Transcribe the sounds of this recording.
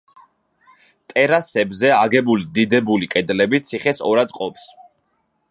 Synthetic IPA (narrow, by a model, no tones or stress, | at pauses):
t̪ʼɛɾasɛbzɛaɡɛbulid̪id̪ɛbulikʼɛd̪lɛbit̪sʰiχɛsɔɾad̪qʼɔps